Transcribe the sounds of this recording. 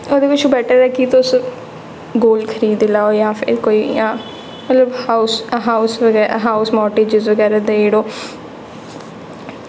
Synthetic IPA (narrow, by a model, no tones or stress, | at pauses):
oːd̪eːkʊt͡ʃʰːbɛːʈʰəɾɛːkit̪ʊs | ɡoːlkʰəɾiːd̪ɪlaːoːjãːpʰɪ̰ɾkoːiːjãː | mət̪ləbhaːʊsɦaːʊsʋəɡɛːɾ̰ɦaːʊsmɔːʈeːd͡ʒɪzʋəɡɛːɾaːd̪eeːɽoː